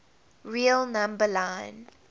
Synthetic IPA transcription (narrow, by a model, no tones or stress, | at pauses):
ɹilˠnãmbəlãɪ̃n